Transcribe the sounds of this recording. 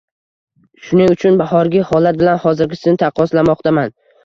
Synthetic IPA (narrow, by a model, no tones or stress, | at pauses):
ʃʊnɪŋʊt͡ʃʰʊnbahɒɾɡʲɪhɒlat̪̚bɪlanhɒzɪɾɡʲɪsɪzɪt̪ʰaqʰɒslamɒqt̪ʰaman